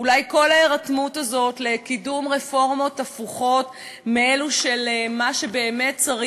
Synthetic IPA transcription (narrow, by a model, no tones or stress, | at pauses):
ulajko̞laeʁatmutazo̞tle̞kidumʁefo̞ʁmo̞tafuχo̞t | meeluʃe̞lmaʃe̞be̞ːme̞t̚t͡saʁi